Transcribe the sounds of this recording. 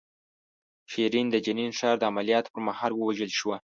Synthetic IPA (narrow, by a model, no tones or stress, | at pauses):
ʃiɾind̪əd͡ʒaninʃɑɾd̪əamalijɑt̪pəɾmahɑlwəwaʒəlʃwa